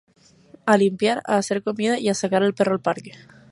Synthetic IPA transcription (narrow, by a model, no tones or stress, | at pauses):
alimpjaɾa̰ːseɾko̞mið̞aiasakaɾelperoalpaɾke